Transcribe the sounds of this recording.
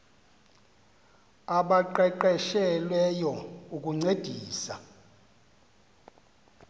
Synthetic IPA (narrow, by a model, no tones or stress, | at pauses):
aɓaǃɛǃɛʃɛlwɛjɔukʼuŋ͡ǀed̥ʱiːsa